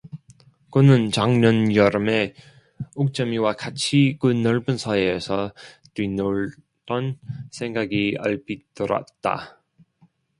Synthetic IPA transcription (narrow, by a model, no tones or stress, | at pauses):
kɯnɯnt͡ɕaŋɲʌnjʌɾɯme̞ | uk̚t͡ɕ͈ʌmiwakat͡ɕʰikɯnːʌɭbɯnsʰʌːsʰʌ | twinoɭ | d̥͈ʌnsʰe̞ŋɡaɡia̰ɭpit͈ɯɾʌ̰t̚t͈a̰